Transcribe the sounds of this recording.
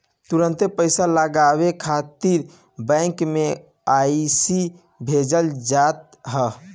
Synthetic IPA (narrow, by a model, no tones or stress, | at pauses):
t̪uɾə̃nt̪epəɪsaləɡaβekʰat̪iɾ | bə̃ɪŋkme | aisi | bʱed͡ʒəld͡ʒat̪̚ | ɦə